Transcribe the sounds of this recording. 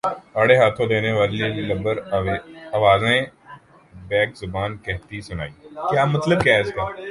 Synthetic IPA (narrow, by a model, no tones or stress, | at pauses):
aːɽeɦaːt̪ʰõd̪eːneʋaːlilɐbəɾ | aʋaːzẽ | bɛːkzʊbaːnkɛɦt̪isʊna̰ːiːkjaːmɐt̪ləb̚kjaːɪskaː